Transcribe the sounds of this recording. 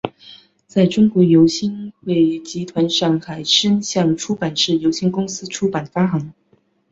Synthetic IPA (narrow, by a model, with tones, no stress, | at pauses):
t͡sa˥˩ɪʈ͡ʂʊ˥ŋkwɔ˧˥jo˧˥ʊɕi˥nxwe˥˩ɪt͡ɕi˧˥t̪ʰwa˧˥nʂɑ˥˩ŋxa˨˩ɪʂʰə˥nɕjɑ˥˩ŋʈ͡ʂʰu˥pa˨˩nʂɻ̩˥˩jo˧˥ʊɕi˥˩nkʊ˥ŋsɹ̩˥ʈ͡ʂʰu˥pa˨˩nfa˥xɑ˧˥ŋ